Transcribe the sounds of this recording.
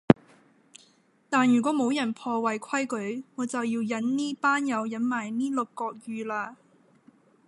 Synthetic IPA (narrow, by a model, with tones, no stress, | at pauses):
t̪aː˨njyː˨˩kʷɔː˨˥mo˨˧˥wjɐ˨˩npʰɔː˧wɐ˨˩jkʷʰwɐ˥jkɵ˨˥ɥŋɔː˨˧˥t͡sɐ˨wjiː˧wjɐ˨˥nniː˥paː˥njɐ˨˧wjɐ˨˥nmaː˨˩jniː˥lʊ˨kːɔː˧k̚jyː˨laː˧